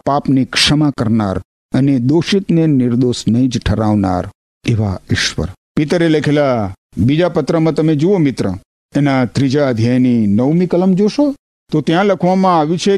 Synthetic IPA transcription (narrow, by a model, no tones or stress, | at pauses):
papnikʂəmakəɾna̰ɾ | əned̪oʃit̪nenɪɾd̪osnəid͡ʒʈʰəɾaʋna̰ɾ | eʋa̰ɪʃʋə̰ɾpit̪ɾeləkʰela | bid͡ʒapət̪ɾəmãt̪əmed͡ʒuomɪt̪ɾə̰ | enat̪ɾid͡ʒaəd̪ʱjajninəʋmĩkələmd͡ʒoʃo | t̪ot̪jãləkʰʋamãaʋjũt͡ʃʰe